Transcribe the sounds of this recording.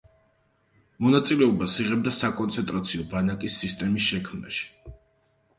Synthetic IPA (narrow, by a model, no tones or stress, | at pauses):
mɔnat̪sʼilɛɔbasiʁɛb̚d̪asakʼɔnt̪sʰɛnt̪ʼɾat̪sʰiɔbanakʼisːist̪ʼɛmisʃɛkʰmna̰ʃi̥